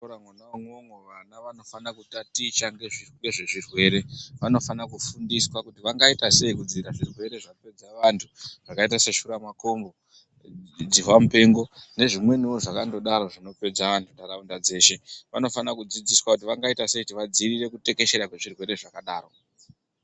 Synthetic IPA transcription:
oɾamwanamomeʋanaʋano̞fanakutatit͡ʃaŋɡe̞ʐiŋɡe̞ʐeʐirwe̞ːɾe̞ʋano̞fanakufundiswakutiʋaŋɡaitase̞ikud͡ziɾaʐirwe̞ɾe̞ʐakope̞d͡zaʋantʰuʐ̥akaitase̞ʃuɾamako̞mbo | d͡ziwamupe̞ŋɡo̞ne̞ʐimwe̞niwo̞ʐakando̞ɗaɾo̞ʐino̞pe̞d͡zaʋantʰundaɾaundad͡ze̞ːʃe̞ʋano̞fanakud͡zid͡ziswakut̬iʋaŋɡaitase̞ikutiʋad͡zirire̞kute̞ke̞ʃe̞ɾakwe̞ʐirwe̞ɾe̞ʐakaɗaːɾo̞

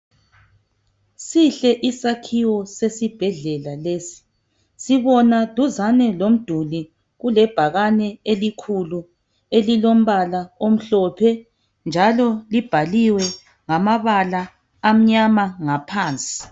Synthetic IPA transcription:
siɬɛʔisakʰiwɔsesib̥ʱɛɮɛlaleːsi̥ | siβɔnad̥ʱuzanɛlom̩d̥ʱuli | ɣulɛb̥ʱaɣanɛelikʰulu | elilom̩βalaom̩ɬɔpʰɛ | nd͡ʒʱalɔlib̥ʱaliwɛ | ŋamaβalaː | m̩ɲamaŋapʰaːnt͡sʼi̥

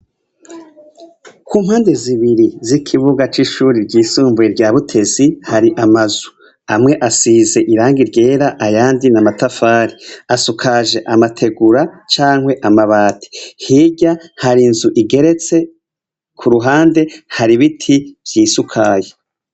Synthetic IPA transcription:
kʰuːm̥haːnde̞ziβiɾizikʰiβuɡat͡ʃiʃuːɾiɾɟiːsuːmvujeɾɟaːβutʰe̞zihaɾiʔamazu | amŋe̞ʔasize̞ʔiɾaːŋɡiɾɟe̞ːɾaʔajaːndinamatafaːɾiasukʰaʒe̞ʔamatʰe̞ɡuɾat͡ʃaːŋhwe̞ʔamaβaːtʰi̥hiɟahaɾinzuʔiɡe̞ɾe̞t͡se̞ | kʰuɾuɦaːnde̞haɾiβitʰiv̥jiːsukʰaje

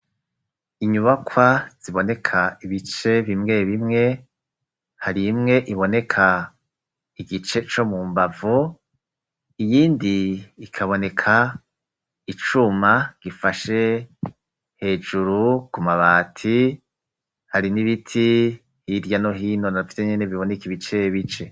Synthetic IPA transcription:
iɲuβakʰwaz̥iβo̞ne̞kʰaiβit͡ʃe̞βimŋe̞βimŋe̞ | haɾimŋe̞ʔiβo̞ne̞kʰa | iɡit͡ʃe̞t͡ʃo̞mumbavu | ijiːndiːkʰaβo̞ne̞kʰa | it͡ʃumaɡ̥ifaʃe̞ | he̞ːd͡ʒuɾukumaβaːtʰi | haɾiniβitʰi | hiɾjano̞ɦiːnonafi̥teɲene̞βiβo̞nekiβit͡ʃeβit͡ʃe̞

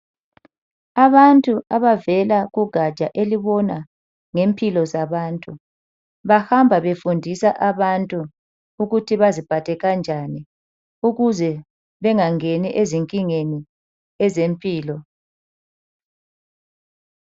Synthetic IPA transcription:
aβantʼuʔaβavɛlaɣuɡ̥ʱḁt͡ʃʼaʔeliβɔna | ŋempʰʼilɔzaβaːntʼu | βaxambʱaβefundʱisaʔaβantʼu | uɣutʰiβazib̥ʱatʰʼɛɣand͡ʒʱani | uɣuzɛ | βɛŋaŋeniʔeziŋkʼiŋeni | ɛzempʼiːlɔ

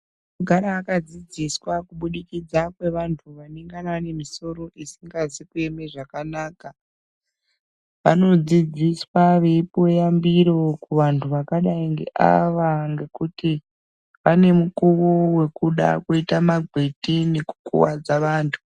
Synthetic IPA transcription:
muɡʱaɾaːkad͡zid͡ziswakuɓuɗikid͡zakwe̞ʋantʰuʋaneŋɡanane̞miso̞ɾo̞ʔisiŋɡazikue̞me̞ʐakanaːka | ʋa̰no̞d͡zid͡ziswaʋe̞pojambiɾo̞kuʋantʰuʋakaɗaiŋɡḛʔa̰ʋaŋɡe̞kuti | ʋane̞mukuʋowe̞kuɗa̰koitamaɡʱwetineku̥kṵwad͡zaʋaːntʰu̥

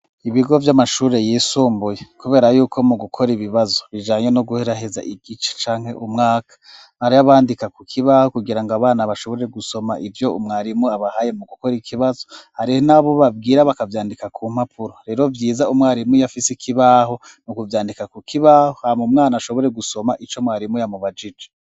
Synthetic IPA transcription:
iβiɡo̞vjamaʃuːɾe̞jiːsuːmbujekuβe̞ːɾajuːkʰo̞muɡukʰo̞ɾiβiβazo̞βiʒaːɲenoɡuhe̞ɾaɦeza̰ʔiɡit͡ʃḁt͡ʃaːŋ̥he̞ʔumŋaːkḁ | aɾiaβaːndikakukʰiβaho̞kuɡiɾaŋɡaβaːnaβaʃo̞βo̞ɾe̞ɡuso̞maʔivjo̞umŋaːɾimuaβahaje̞muɡuko̞ɾikʰiβazo̞haɾihonaβo̞βab̚ɡiːɾaβakavjaːndikakʰuːm̥hapʰuɾoɾe̞ɾo̞vjiːzaumŋaːɾimujafisikʰiβaːɦo̞ | nukuvjaːndikakukiβahohamumŋaːnaʃoβo̞ɾe̞ɡuso̞maʔit͡ʃo̞mŋaːɾimujamuβad͡ʒid͡ʒe̥

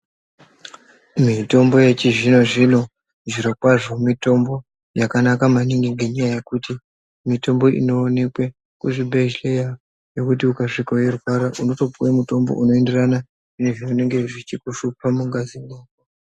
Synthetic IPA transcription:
mito̞mbo̞je̞t͡ʃiʐino̞ʐino̞ | ʐiɾo̞kwaʐo̞mito̞mbo̞ | jakanakamaniŋɡiŋɡeɲajaje̞kuti | mito̞mbo̞ʔḭno̞ːne̞kwe̞ | kuʐibʱeʒleja | jo̞kutiukaʂikajerwaɾaʔuno̞to̞puwemuto̞mbo̞̰ʔuno̞e̞nde̞rana | ine̞ʐioneŋɡe̞ʐit͡ʃikuʃupamuŋɡazineːɡo

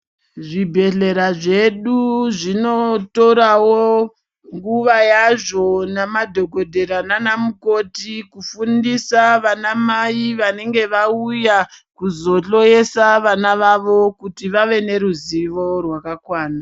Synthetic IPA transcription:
ʐibʱe̞ɮe̞ɾaʐe̞ɗuʐino̞to̞ɾawo | ŋɡuʋajaʐo̞namadʱo̞ɡʱo̞dʱe̞ɾananamuko̞tikufundisaʋanamaiʋane̞ŋɡe̞ʋaujakuzo̞ɬo̞je̞saʋanaʋaʋo̞kutiʋaʋe̞ne̞ɾuziʋo̞rwakakwaːna

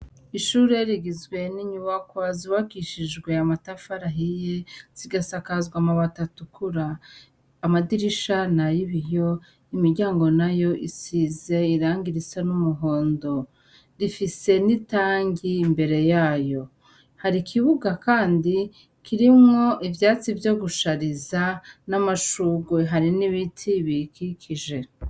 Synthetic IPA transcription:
iʃuːɾe̞ɾiɡizɡwe̞niɲuβakwaziβakiʃid͡ʒɡwe̞amatafaɾaɦijez̥iɡasakazɡwamaβatatukʰuɾaː | madiɾiʃanajiβijo̞ | imiɾɟaːŋɡo̞najo̞ʔisize̞iɾaːŋɡiɾit͡sanumuɦo̞ːndo̞ | ɾifise̞nitaːɲɟiːmbe̞ɾe̞jaːjo̞ | haɾikʰiβuɡakaːndi | kiɾimŋo̞ʔivjaːt͡sivjo̞ɡuʃaɾizanamaʃuɡweɦaɾiniβitʰiβikikʰiʒe̞

